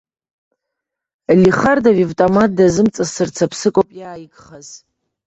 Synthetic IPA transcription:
liχardavivtʼomadazɨmt͡sʼazsɨrt͡sʰapʰsɨkʷʼopʼjaːjɡχaz

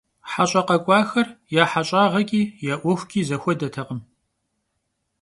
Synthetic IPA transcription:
ħaɕʼɐqɐkʷʼɑːxɐrjaːħaɕʼaːʁɐkʲʼiːjaʔʷɔxʷkʲʰʼiːzɐxʷɔdɐtʰɐqəm

